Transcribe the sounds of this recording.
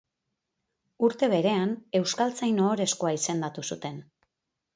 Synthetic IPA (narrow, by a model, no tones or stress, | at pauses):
uɾt̪e̞βe̞ɾe̞ane̞wskalt͡sajno̞ːɾe̞sko̞aise̞nd̪at̪usut̪e̞n